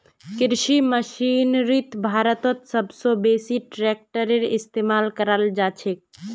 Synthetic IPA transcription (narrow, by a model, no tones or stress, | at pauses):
kɪɾʃiməʃinɾit̪bʱaɾət̪ɔt̪səbsobesiʈɾek̚ʈəɾeɾɪst̪emalkəɾald͡ʒat͡ʃʰek̚